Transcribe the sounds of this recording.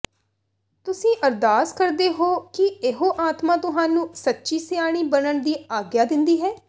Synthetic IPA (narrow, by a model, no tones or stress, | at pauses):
t̪ʊsĩːʔəɾd̪aːskəɾd̪eːɦoːkɪeɦoːʔaːt̪mãːt̪ʊɦaːnũːsətːʃiːsɪjaːɽ̃iːbənəɳd̪iːaːɡjaːd̪ɪnd̪iːɦɛː